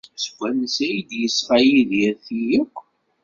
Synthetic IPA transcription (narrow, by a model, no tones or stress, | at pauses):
sə̥ɡʷːænəsæjd̪jəsfæjiðɪɾθijəkʷː